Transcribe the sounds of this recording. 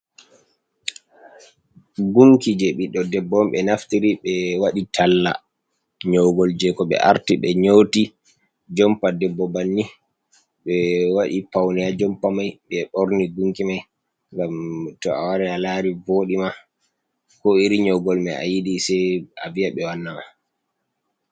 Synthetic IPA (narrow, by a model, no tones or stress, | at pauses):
ɡuŋkid͡ʒɛɓiɗːɔdɛbːɔmɓɛnaftiɾiɓɛwaɗitʰalːa̰ | ɲɔwɡɔld͡ʒɛkɔɓɛ̰ʔa̰ɾtiɓɛɲowti | d͡ʒɔmpadɛbːɔbanːi | ɓɛwaɗipawnijad͡ʒɔmpamajɓɛɓɔɾniɡuŋkimaj | ŋɡamtɔawaɾɛalaɾivoɗima | kɔiɾiɲɔwɡɔlmɛa̰jidisɛja̰viaɓɛwanːama